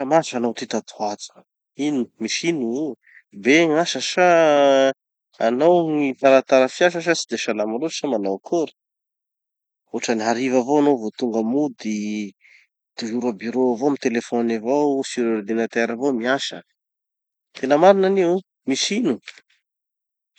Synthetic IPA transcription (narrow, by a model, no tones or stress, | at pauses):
əmasanowt̪it̪at̪u̥at͡s | ini̥miʃinu | beŋaʃəʃa | anowŋit̪aɾat̪aɾəfiaʃ̬əʃ̬asi̥d̪eʃalamaloi̥ʃamanawkʰuɾu̥ | oʈ͡ʂəniɦaɾivavowanowvot̪uŋɡəmud̪i | d̪̥iɦuɾabyɾoavomit̪elefɔnavowsiɾeɾd̪enat̪eɾavomiaʃə̰ | t̪ʰenəmaɾinaniu | miʃinu